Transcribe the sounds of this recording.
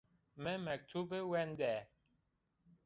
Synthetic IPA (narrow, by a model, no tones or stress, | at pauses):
mɛmɛk̚tubewɛndɛː